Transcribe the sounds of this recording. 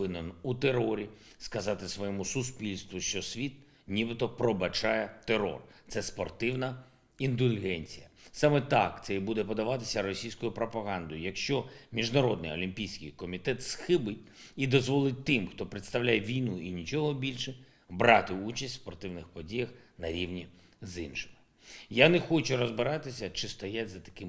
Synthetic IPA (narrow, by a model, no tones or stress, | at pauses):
ɪnɐnut̪eɾɔɾʲi | skɐzɑt̪ɪsʋɔjɛmʊsʊspʲilʲst̪ʋʊʃt͡ʃɔsʲʋʲit̪̚ | nʲibɪt̪ɔpɾɔbɐt͡ʃɑjɛt̪eɾɔ̰rt̪sɛspɔrt̪ɪwnɐ | ind̪ʊlʲɣɛnʲt͡sʲijɐsɑmɛt̪ɑ̰kt̪sɛibud̪ɛpɔd̪ɐʋɑt̪ɪ̥sʲɐɾɔsʲijsʲkɔjʊpɾɔpɐɦɑnd̪ɔjʊjɐkʃt͡ʃɔmʲiʒnɐɾɔd̪nɪ̰jɔlʲimpʲijsʲkɪjkɔmʲit̪ɛt̪sxɪbɪt̚ʲ | id̪ɔzʋɔlˠɪt̚ʲt̪ɪmxt̪ɔpɾɪt̪st̪ɐwlʲajeʋʲijnuinʲit͡ʃɔɦɔbʲilʲʃɛ | bɾɑt̪ɪut͡ʃɐsʲt̪ʲspɔrt̪ɪwnɪxpɔdʲijɐxnɐɾʲiwnʲi | zɪnʃɪ̥mɪ | janɛxɔt͡ʃʊrɔzbɪɾɑt̪ɪsʲɐt͡ʃɪst̪ɔjatʲzɐt̪ɐ̥kɪm